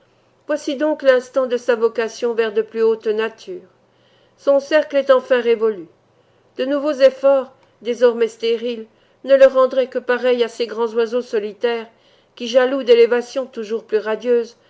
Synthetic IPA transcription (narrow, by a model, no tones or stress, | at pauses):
vwasid̪ɔ̃klɛ̃st̪ɑ̃d̪əsavɔkasjɔ̃vɛʁd̪əplyot̪nat̪yːʁ | sɔ̃sɛʁklɛt̪ɑ̃fɛ̃ʁevɔly | d̪̥ənuvozefɔʁ | d̪ezɔʁmɛst̪eʁil | nələʁːɑ̃d̪ʁɛkəpaʁɛjaseɡʁɑ̃zwazosɔlit̪ɛːʁ | kʲiʒalud̪elevasjɔ̃t̪uʒuʁplyʁad̪jøːz